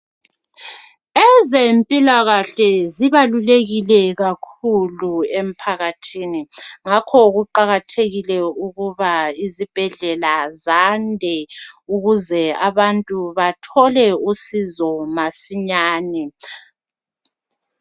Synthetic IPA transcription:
ɛzempʼilaɣaɬɛziβaluleɣilɛɣakʰuluem̩pʰaɣatʰiːniŋakʰɔɣuǃaɣatʰeɣilɛuɣuβaizib̥ʱɛɮɛlazandʱɛuɣuzɛaβantʼuβatʰɔlɛusizɔmasiɲaːnɛ

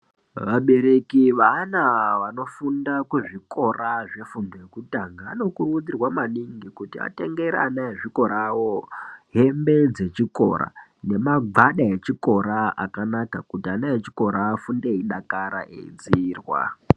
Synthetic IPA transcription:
ʋaɓe̞ɾe̞kiʋanaʋano̞fundakweʐiko̞raʐe̞fundojekutaŋɡaːno̞kurud͡zirwamaniŋɡikutia̰te̞ŋɡe̞ɾa̰naeʐiko̞ɾawo̞ɦe̞mbe̞d͡ze̞t͡ʃiko̞̰ɾa̰ne̞maɡ͡baɗaet͡ʃiko̞ɾaa̰kanakakutianaet͡ʃi̥ko̞ɾaːfundeiɗakaɾa̰ʔḛḭd͡ziiːrwa̰

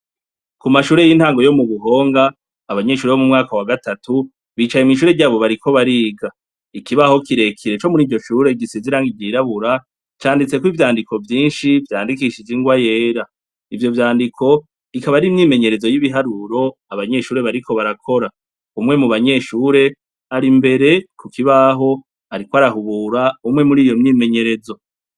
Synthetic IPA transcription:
kumaʃuːɾe̞jiːn̥haːŋɡo̞jo̞muβuɦo̞ːŋɡaː | βaɲe̞ʃuːɾeβo̞mumŋaːkawaɡatatu | βiːt͡ʃajemŋiːʃ̬uːɾe̞ɟaːβo̞βaɾikʰo̞βaɾiːɡa | ikiβaho̞kiɾe̞kʰiɾe̞t͡ʃo̞muɾiːvɟo̞ʃuːɾe̞ɡɟisiziɾaŋɡivɟiɾaβuɾa | t͡ʃaːndit͡se̞kwiːvjaːndikʰo̞vjiːnʃivjaːndikiʃiziŋɡwaje̞ːɾa | ivjo̞vjaːndikʰo̞ | ikaβaɾimɲiːme̞ɲe̞ɾe̞zo̞jiβiɦaɾuɾo̞aβaɲe̞ʃuːɾe̞βaɾikʰo̞βaɾakʰo̞ɾa | umŋe̞muβaɲe̞ʃuːɾe̞ | aɾimbe̞ɾe̞kukiβaɦo̞ | aɾikwoaɾaɦuβuɾaumŋe̞muɾiːjo̞mɲiːme̞ɲe̞ɾe̞zo̞

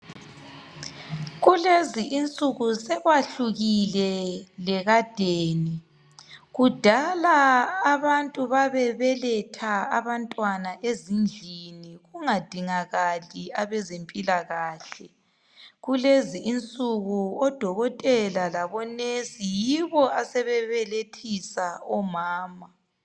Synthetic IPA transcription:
ɣuleziʔint͡sʼuɣusɛɣwaɬuɣilɛlɛɣad̥ʱeːni | ɣud̥ʱalaːβantʼuβaβɛβɛlɛtʰaaβantʼwanaʔezind͡ɮʱiniɣuŋad̥ʱiŋaɣaliaβɛzempʼilaɣaːɬɛ | ɣuleziʔːnt͡sʼuɣuɔd̥ʱɔɣɔtʼɛlalaβɔnesijiβɔasɛβɛβɛletʰisaɔmaːma

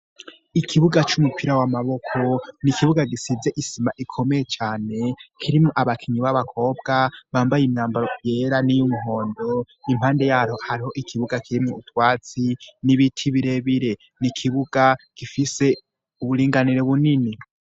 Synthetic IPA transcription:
ikʰiβuɡat͡ʃumupʰiɾawamaβo̞kʰo̞nikʰiβuɡaɡisizeʔisimaʔikʰo̞meje̞t͡ʃaːne̞kʰiɾimuʔaβakʰiɲiβaβakʰo̞ːb̚ɡaβaːmbajimɲaːmbaɾoje̞ːɾanijumuɦo̞ːndo̞ | imhaːnde̞jaːhohaɾiho̞ʔikʰiβuɡakʰiɾimuutwaːt͡siniβitʰiβiɾe̞βiɾe̞ | nikʰiβuɡaɡ̥ifise̞ | uβuɾiːŋɡaniɾeβunini

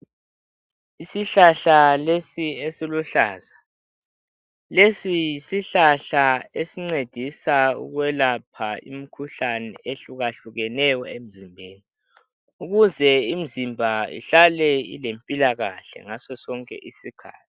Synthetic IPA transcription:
isiɬaɬalesiesiluɬaːza | lesijisiɬaɬaesiŋ͡ǀed̥ʱisaṵɣwɛlapʰaḭm̩kʰuɬanɛeɬuɣaɬuɣɛnɛjɔem̩zimbʱeːni | uɣuzɛim̩zimbʱaḭɬalɛḭlempʼilaɣaɬɛ̰ŋasɔsɔŋkʼɛ̰ʔisikʰa̰ːtʰi̥

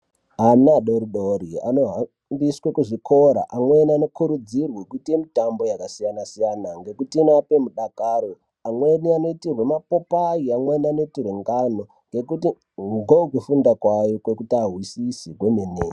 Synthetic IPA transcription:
anaɗoɾiɗoɾia̰no̞ɦa | mbiswekuʐiko̞ɾa̰ʔamweniano̞kuɾud͡zirwekutiemitambo̞jakasijanasijanaŋɡe̞kutiinape̞muɗakaːɾo | amwe̞niano̞itirwe̞mapo̞pajiamweniano̞itirweŋɡano | ŋɡe̞kuti | ŋɡokufundakwajokwe̞kutaɦwisisikwemene

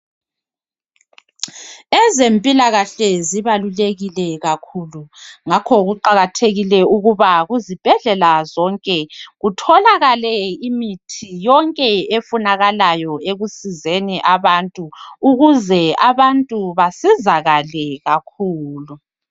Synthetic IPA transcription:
ɛzempʼilaɣaɬɛziβaluleɣilɛɣakʰuluŋakʰɔɣuǃaɣatʰeɣilɛuɣuβaɣuzib̥ʱɛɮɛlazɔŋkʼɛɣutʰɔlaɣalɛimitʰijɔŋkʼɛefunaɣalajɔeɣusizeniʔaβantʼuːɣuzɛaβantʼuβasizaɣalɛɣakʰuːlu

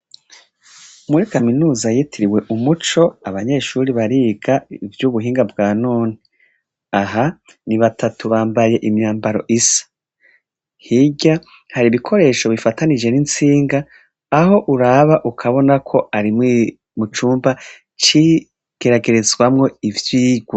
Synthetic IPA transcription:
umuɾikaminuːzajitʰiɾiwe̞ʔumut͡ʃo̞aβaɲe̞ʃuːɾiβaɾiːɡaivjuːβuɦiːŋɡabɡaːnuːni | aɦa | niβatʰatuβaːmbaje̞ʔimɲaːmbaɾo̞̰ʔisḁ | hiɟa | haɾiβikʰo̞ɾe̞ːʃo̞βifatanid͡ʒe̞nint͡siːŋɡaː | ho̞ʔuɾaβaʔukʰaβo̞nakʰo̞ʔaɾimi | mut͡ʃuːmba | t͡ʃi | ɡ̥e̞ɾaɡe̞ɾezɡwamŋo̞ivjiːɡwa

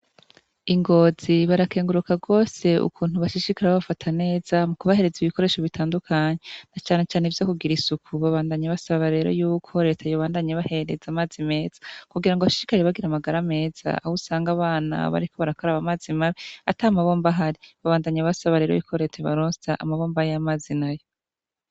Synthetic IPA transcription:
iŋɡo̞ːziβaɾake̞ːŋɡuɾukaɡo̞ːse̞ṵkʰuːnhuβaʃiʃikaɾeaβafatʰane̞ːzamukuβahe̞ɾe̞ziβiko̞ɾe̞ːʃo̞βitʰaːndukʰaɲenat͡ʃaːne̞t͡ʃaːnevjo̞ːkuɡiɾisukʰuβaβaːndaɲaβasaβaɾe̞ːɾo̞̰juːkʰo̞ɾe̞tʰajoβaːndaɲeβahe̞ɾe̞zamaːzime̞ːz̥ḁkuɡiɾaŋɡoβaʃi̥ʃikaɾeβaɡiɾamaɡaɾame̞ːz̥a̰a̰husaːŋɡaβaːna̰βa̰ɾiko̞βaɾako̞ɾaβamaːzimaβiataːmaβo̞ːmbaɦaɾiβaβaːndaɲaβasaβaɾe̞ːɾo̰juːkʰo̞ɾe̞tʰeβa̰ɾoːtaʔamaβo̞ːmbaijamaːzinajo̞

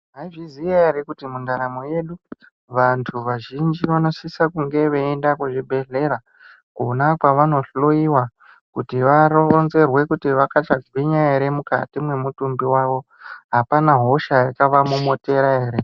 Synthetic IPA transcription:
ɦaiʐizijaeɾekutimundaɾamo̞je̞ɗu | ʋantʰuʋaʒind͡ʒiʋano̞sisakuŋɡe̞ʋeendakwoʐibʱe̞ɮe̞ɾa | ko̰nakwaʋano̞ɬoiwa | kutiʋaɾoonze̞rwe̞kutiʋakat͡ʃaɡiɲaeɾe̞muka̰timwe̞mutumbiwaʋo̞ | ɦapanaɦo̞ʃajakaʋamumote̞ɾaɦeːɾe

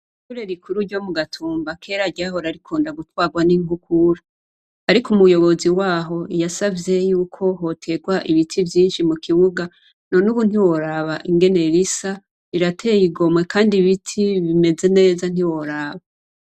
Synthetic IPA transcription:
ikuɾeɾikʰuɾuɾɟo̞muɡatʰuːmbakʰe̞ːɾaɟaɦo̞ɾaɾikʰoːndaɡutwaːɡwaniŋhukuɾa | aɾikumujo̞βo̞ziwaːɦo̞ijasavje̞juːkʰo̞ɦo̞tʰe̞ɡwaʔiβitʰivjiːnʃimukʰiβuɡa | no̞nuβun̥iwo̞ɾaβaʔiŋɡe̞ne̞ɾisa | iɾatʰe̞jiɡo̞mwe̞kaːndiβitʰiβime̞ze̞ne̞ːzan̥iwo̞ɾaβa

